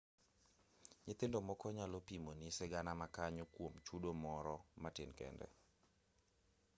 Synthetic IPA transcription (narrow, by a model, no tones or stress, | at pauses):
ɲɪt̪ɪndɔmɔkɔɲalɔpimonisɪɡanamakaɲʊkwomt͡ʃudomɔɾɔmatɪnkɛ̰ndɛ̰